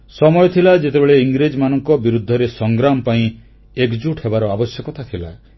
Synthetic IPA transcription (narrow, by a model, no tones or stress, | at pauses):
sɔmɔjɔt̪ʰilad͡ʒet̪ebeɭeiŋɡɾed͡ʒmanɔŋkɔbiɾud̪ʱːɔɾesɔŋɡɾamɔpaĩ | ekd͡ʒuʈʰhebaɾɔabɔsjɔkɔt̪ʰat̪ʰila̰